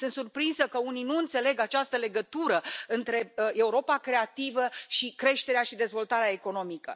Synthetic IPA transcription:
sɨnt̪surpɾinsəkəuninuɨnt̪se̞le̞ɡat͡ʃast̪əle̞ɡət̪uɾəɨnt̪ɾe̞e̞uɾo̞pakɾe̞at̪ivəʃikɾe̞ʃt̪e̞ɾeaʃid̪e̞zvo̞lt̪aɾeaeko̞no̞mikə̰

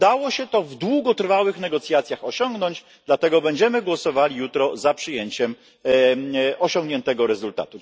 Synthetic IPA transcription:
d̪awɔɕɛt̪ɔvd̪wuɡɔt̪rfawɘxnɛɡɔt̪sʲjat̪sʲjaxɔɕɔŋɡnɔɲd͡ʑ | d̪lat̪ɛɡɔbɛɲd͡ʑɛmɘɡwɔsɔvalʲijut̪ɾɔzapʂɘjeɲt͡ɕɛm | ɔɕɔ̃ŋɡɲɛnt̪ɛɡɔɾɛzult̪a̰t̪u

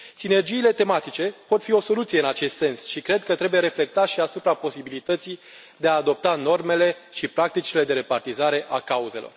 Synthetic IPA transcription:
sine̞rd͡ʒiːle̞t̪e̞mat̪it͡ʃe̞po̞t̪fio̞so̞lut̪sije̞ɨnat͡ʃe̞st̪se̞nsʃikɾe̞d̪̚kət̪ɾe̞buje̞ɾe̞fle̞k̚t̪at̪ʃiasupɾapo̞sibilit̪ət̪si | d̪e̞aːd̪o̞p̚t̪ano̞rme̞le̞ʃipɾak̚t̪it͡ʃile̞d̪e̞ɾe̞part̪izaɾe̞ʔakauze̞lo̞̰r

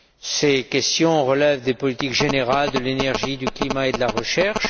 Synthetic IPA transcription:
sekʲɛst̪jɔ̃ʁəlɛvd̪epɔlit̪ikʒeneʁald̪əlenɛʁʒid̪yklimaed̪əlaʁəʃɛʁʃ

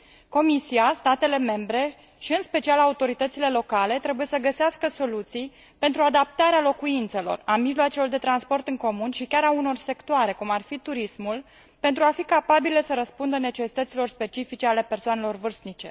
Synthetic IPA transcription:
ko̞misiast̪at̪e̞le̞me̞mbɾe̞ | ʃiɨnspe̞t͡ʃialaut̪o̞ɾit̪ət̪sile̞lo̞kale̞t̪ɾe̞buje̞səɡəseaskəso̞lut̪sij | pent̪ɾuad̪ap̚t̪aɾealo̞kuint̪se̞lo̞̰ramiʒloat͡ʃelo̞rd̪e̞t̪ɾanspo̞rt̪ɨŋko̞munʃikʲaɾauno̞rse̞kt̪oaɾe̞kumarfit̪uɾismul | pe̞nt̪ɾuafikapabilesəɾəspund̪əne̞t͡ʃe̞si̥t̪ət̪silo̞rspe̞t͡ʃifit͡ʃe̞ale̞pe̞rsoane̞lo̞rvɨrsnit͡ʃe̞

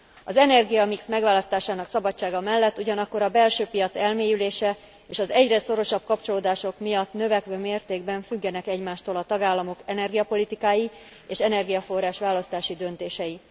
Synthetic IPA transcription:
ɒzɛnɛrɡijɒmiksmɛɡʋaːlɒst̪aːʃaːnɒksɒbɒt͡ʃːaːɡɒmɛlːɛt̪ːuɟɒnɒkːo̞ɾɒbɛlʃøːpijɒt̪sɛlmeːjyleːʃɛ | eːʃɒzɛɟrɛso̞ɾo̞ʃɒb̚kɒpt͡ʃo̞loːd̪aːʃo̞kmijɒt̪nø̞vɛkʋøːmeːrt̪eːɡbɛɱfyɡːɛnɛkɛɟmaːʃt̪oːlɒt̪ɒɡaːlːɒmo̞kɛnɛrɡijɒpo̞lit̪ikaːji | eːʃɛnɛrɡijɒfo̞rːaːʃʋaːlːɒst̪aːʃid̪ø̞nt̪eːʃɛji

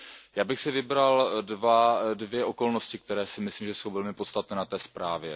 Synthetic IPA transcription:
jaːbɪxsɪvɪbɾaldvadvjɛʔo̞ko̞lno̞scɪk̚t̪ɛɾɛːsɪmɪsliːmʒɛso̞wvɛlmɪpot̪st̪at̪nɛːnat̪ɛːspɾaːvjɛ

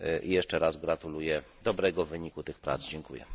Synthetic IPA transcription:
ʔḭjɛʂt͡ʂɛɾasɡɾat̪ulujɛ | d̪ɔbɾɛɡɔvɘɲikut̪ɘxpɾa̰t̪zd͡ʑɛŋkujɛ̰

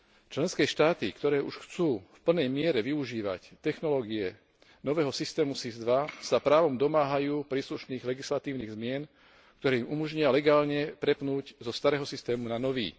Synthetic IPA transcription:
t͡ʃlɛnskɛːʃt̪aːt̪ikt̪ɔɾɛːʔṵʃxt͡suːfpl̩nɛjmɪɛɾɛʋiuʒiːʋa̰ct̪ɛxnɔlɔːɡiɛ | nɔʋɛːɦɔsist̪ɛːmusizd̪ʋasapɾaːʋɔmd̪ɔmaːɦajuːpɾiːsluʃniːɣlɛɡislat̪iːʊniːɣzmɪɛn | kt̪ɔɾɛːimʔumɔʒɲɪalɛɡaːlɲɛp̪ɾɛpnuːɟzɔst̪aɾɛːɦɔsist̪ɛːmunanɔʋḭː

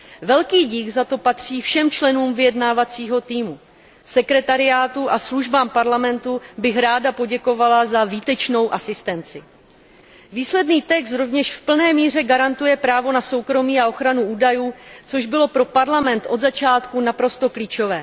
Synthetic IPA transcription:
vɛlkiːɟɪxzat̪o̞pat̪r̝̥iːfʃɛmt͡ʃlɛnuːmvɪjɛdnaːvat͡siːɦo̞t̪iːmu | sɛkɾɛt̪aɾɪaːt̪uʔasluʒbaːmpaɾlamɛnt̪ubɪxɾaːdapo̞ɟɛko̞valazaviːt̪ɛt͡ʃno̞wʔasɪst̪ɛnt͡sɪ | viːslɛdniːt̪ɛks̬t̪ɾo̞vɲɛʃfpl̩nɛːmiːr̝ɛɡaɾant̪ujɛpɾaːvo̞naso̞wkɾo̞miːao̞xɾanuuːdajuːt͡so̞ʒbɪlo̞pɾo̞paɾlamɛnt̪ʔo̞d̪zat͡ʃaːt̪kunapɾo̞st̪o̞kliːt͡ʃo̞vɛː

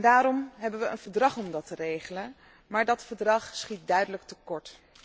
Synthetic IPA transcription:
daːɾɔmɦɛbənʋəənv̥əɹdrɑχɔmdɑtərejχələn | maːɹdɑtfəɹdrɑχsχit̚dœɥdələk̚təkɔɹt

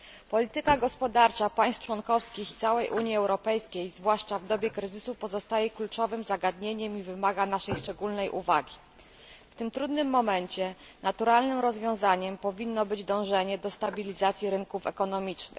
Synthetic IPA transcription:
pɔlʲit̪ɘkaɡɔspɔd̪aɾt͡ʂapaj̃st̪t͡ʂwɔnkɔfskʲixi̥t̪sawɛjʔuɲjiɛwɾɔpɛjskʲejzvwaʂt͡ʂavd̪ɔbʲɛkɾɘzɘsupɔzɔst̪ajɛklut͡ʂɔvɘmzaɡad̪ɲeɲɛmivɘmaɡanaʂɛjʂt͡ʂɛɡulnɛjʔṵvaɡʲi | ft̪ɘmt̪ɾud̪nɘmːɔmɛɲt͡ɕɛ | nat̪uɾalnɘmɾɔzvʲjɔ̃w̃zaɲɛmpɔvʲinːɔbɘd͡ʑd̪ɔ̃w̃ʐɛɲɛd̪ɔst̪abʲilʲizat̪sʲjiɾɘŋkufɛ̰kɔnɔmʲit͡ʂnɘ̰x

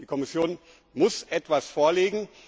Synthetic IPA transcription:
d̥iːkʰɔmɪsjoːn | mʊsʔɛtv̥asfoːɐleːɡŋ̩

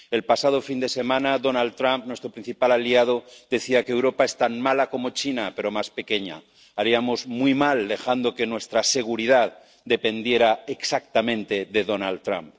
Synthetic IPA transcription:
e̞lpasað̞o̞find̪e̞se̞mãnaðo̞nald̪t̪ɾampnwe̞st̪ɾo̞pɾĩn̟θipalaliað̞od̪e̞θiakeewɾo̞pae̞st̪anmalako̞mo̞t͡ʃinape̞ɾo̞maspe̞ke̞ɲa̰ | aɾiamozmwuijmald̪e̞xand̪o̞ke̞nwe̞st̪ɾase̞ɣ̞uɾiðað | d̪e̞pe̞nd̪je̞ɾaeksak̚t̪amẽ̞nt̪e̞ðe̞ðo̞nalt̪ɾa̰mp

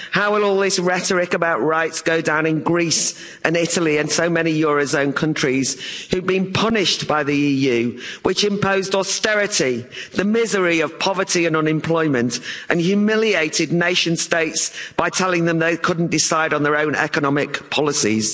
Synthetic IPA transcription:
haʊwɪlˠɔːlˠðɪsɹɛtəɹɪkəbaʊʔɹaɪtsɡ̥oʊdãʊ̃nɪ̃nɡɹiˑs | ʔə̃nɪtəlˠiɨ̃nsoʊmɛnijɔːɹoʊzõʊ̃nkʰʌ̃nt͡ʃɹ̥iz̥hʉd̚bĩnpʰʌnɪʃtb̥aɪðiiːjʉːwʔɪt͡ʃɪ̃mpʰoʊzdɔstɛɹɪtiðəmɪzəɹiəv̥pʰɑvətʰiə̃nʌ̃nɪ̃mpʰl̥ɔɪmə̃ntʔə̃njʉmɪlieɪtɪdⁿneɪʃə̃nsteɪtsb̥aɪtʰɛlɪ̃ŋðə̃mðeɪkʰʊdⁿn̩d̥ɪsaɪɾn̩ðə˞õʊ̃nɛ̰kənɒmɪkpʰɒlˠɪsḭz̥

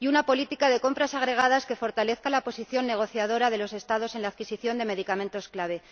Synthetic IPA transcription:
iunapo̞lit̪ikaðe̞ko̞mpɾasaɣ̞ɾe̞ɣ̞aðaske̞fo̞ɾt̪ale̞θkalapo̞siθjo̞nːe̞ɣ̞o̞θjaðo̞ɾaðe̞lo̞se̞st̪aðo̞se̞nlaːðkisiθjo̞nd̪e̞me̞ðikamẽ̞nt̪o̞sklaβ̞e̞

